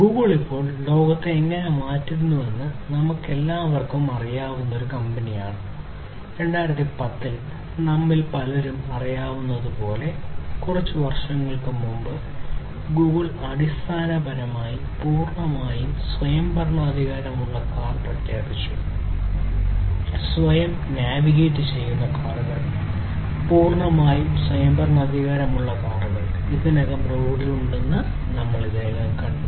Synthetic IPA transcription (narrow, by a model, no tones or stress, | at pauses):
ɡuːɣɐɭipːo̞ːɭlo̞ːɡɐt̪ːeːŋːɐne̞maːtːiɾunːuʋe̞nːɨnɐmukːe̞lːaːʋɐrkumɐrijaːʋunːɐo̞ɾukɐmbɐnijaːɳɨ | ɾe̞ɳɖaːjɾɐt̪ːipɐt̪ːil | nɐmːilpɐlɐɾumɐrijaːʋunːɐðupo̞ːle̞kurɐt͡ɕːɨʋɐrʂɐŋːɐɭkɨmːumbɨ | ɡuːɣɐɭ | ɐɽist̪ʰaːnɐbʱɐnɐmaːji | puːrɳɐmaːjumswɐjɐmbɐrɳɐːd̪ʱiɣaːɾɐmuɭːɐkaːrprɐt̪jaːpit͡ɕːu | sʋɐjɐm | njaːʋiɣeːtːɨt͡ɕe̞jːunːɐkaːɽuɣɐɭ | puːrɳɐmaːjumswɐjɐmbɐrɳɐɐd̪ʱiɣaːɾɐmuɭːɐkaːruɣɐɭ | iðinɐɣɐmrouɽiluɳɖenːɨ | nɐmːɐɭideːɣaːnkɐɳ